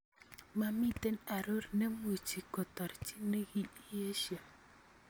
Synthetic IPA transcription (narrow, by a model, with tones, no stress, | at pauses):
ma˦mi˦te˦na˨ɾo˦ɾne˦mu˨t͡ʃi˨kɔ˨tɔ˨ɾt͡ʃi˦ne˦ɡi˦i˦je˦ʃja˨